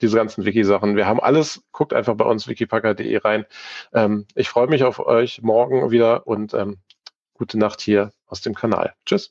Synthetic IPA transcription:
d̥iːzəɡant͡sn̩vɪkizaχn̩viːɐɦaːbm̩ʔa̰ləsɡ̥ʰʊk̚tʔa̰ɪnfaχb̥aɪʔʊnsv̥ɪkipʰakɐdḛːʔḛːʁaɪnʔɛːmʔɪçfʁ̥ɔʏəmɪçaʊfɔ̰ʏçmɔɐɡŋ̩viːdɐʔʊntʔɛːm | ɡ̥uːtʰənaχthiːɐʔaʊsd̥eːmkʰana̰ːlt͡ʃʏs

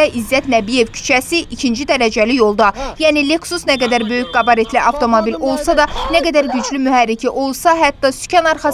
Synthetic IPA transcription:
ʔizːæt̪næbije̞vcʰy̥t͡ʃʰæsiʔicʰind͡ʒid̪æɾæd͡ʒælijo̞lˠd̪ɑjæːnileksusnæɡæd̪æɾbø̞jycɡɑbɑɾe̞t̪liʔɑft̪ʰo̞mobilo̞lˠsɑd̪ɑnæɡæd̪æɾɟyd͡ʒlymyɦæɾːicʰiʔo̞lˠsɑɦæt̪ːɑsy̥cʰɑnɑɾχɑ

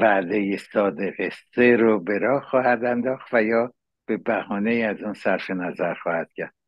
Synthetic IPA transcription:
væʔd̪e̞jesɒːd̪eɣest̪eɾobe̞ɾɒːhxɒːhæd̪ænd̪ɒːxt̪væjɒː | b̥e̞bæhɒːne̞iæzuːnsæɾfenæzæɾxɒːhæd̪̥cʰæɾd̪

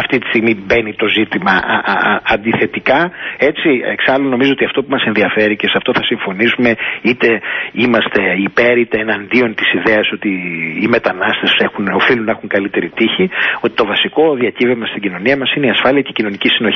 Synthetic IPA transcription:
ɐft̪it̪i̥st̪iɣmibe̞nit̪o̞zit̪imɐ̰ | ɐnd̪iθe̞t̪ikɐe̞t͡sieksɐluno̞mizoot̪iɐft̪o̞pumɐse̞nðiɐfe̞ɾicesɐft̪o̞θɐsiɱfo̞nisume̞it̪e̞imɐst̪e̞ipe̞ɾit̪eːnɐnd̪io̞nt̪isiðe̞ɐso̞t̪iːmet̪ɐnɐst̪e̞se̞xuno̞filunɐexuŋkɐlit̪e̞ɾit̪içio̞t̪i̥t̪o̞vɐsiko̞ðiɐcivevmɐst̪iɟino̞niɐmɐsineiɐsfɐliɐcecino̞nicisino̞

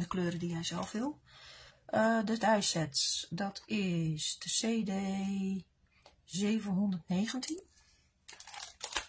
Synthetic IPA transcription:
dəkløːɾədijɛjzɛlˠfʋɪlˠ | dətɛjsɛtsdɔtʰɪsdəseːde | zeːvənɦundərtneːɣəntʰin

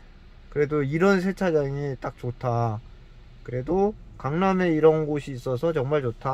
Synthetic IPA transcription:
kɯɾe̞doiɾʌnsʰe̞t͡ɕʰad͡ʑaŋit͈ak̚t͡ɕotʰa | kɯɾe̞do | kaŋname̞iɾʌnɡoɕʰiːs͈ʌs̬ʰʌt͡ɕʌŋmaɭt͡ɕotʰa

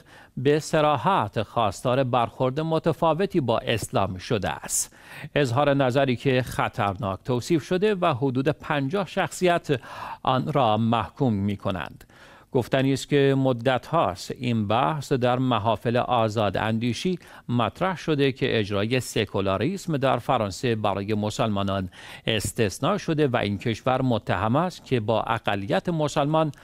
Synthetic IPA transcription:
be̞seɾɒːɦæt̪ʰxɒːst̪ɒːɾe̞bæɾxo̞ɾd̪emot̪ʰæfɒːve̞t̪ʰiːbɒ̰ːʔe̞slɒ̰ːmʃo̞d̪ḛæ̰st̪ | ezɦɒːɾe̞næzæɾiːkʰe̞xæt̪ʰæɾnɒːkt̪ʰoːsiːfʃo̞d̪e̞væɦod̪uːd̪epʰænd͡ʒɒːhʃæxsijæt̪ʰʔɒːnɾɒːmæhkʰuːmːiːkʰo̞næ̰nd̪̥ | ɡ̥oft̪æniːskʲʰemod̪ːæt̪ʰhɒːst̪inbæhsd̪æɾmæɦɒːfelḛʔɒːzɒːd̪æ̰nd̪iːʃiː | mæt̪ʰɾæhʃo̞d̪e̞kʰe̞̰ʔed͡ʒɾɒːje̞se̞kʰolɑːɾismd̪æɾfæɾɒːnse̞bæɾʔɒːje̞mosælmɒːnɒne̞st̪e̞snɒːʃo̞d̪e̞væ̰ʔiːnkʰe̞ʃvæɾmot̪ʰːæɦæmæst̪̚kʰe̞bɒ̰ːʔæ̰ɣælːijæt̪ʰemo̞sælmɒn

